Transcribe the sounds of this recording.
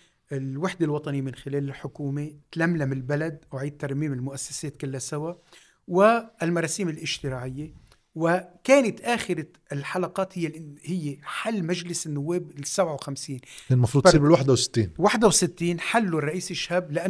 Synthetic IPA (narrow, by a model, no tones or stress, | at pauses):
ʔɪlwaħd̪ɪlwɑt̪ˤɑnimɪnxɪleːlɪlħʊkuːmet̪lamlamɪlbalad̪̚wʕiːd̪̚t̪ːɑɾˤmiːmɪlmʊʔasːḁseːt̪̚kɪlːasawa | wɪlmɑɾˤɑːsiːmɪlʔɪʃt̪ɪmaːʕɪjːe | wɪkeːnɪt̪ʔaːxɪɾa | ɪlħalɑqɑːt̪hɪjːɪʔhɪjːeħalːmaʒlɪsɪnːʊwːeːbsabʕawxamsiːneːnmɑfɾud̪ˤiɾbɪlwaħd̪awsɪ̥t̪ːiːnwaħd̪awsɪt̪ːiːnħalːurˤːɑʔiːsɪʃhablɪʔa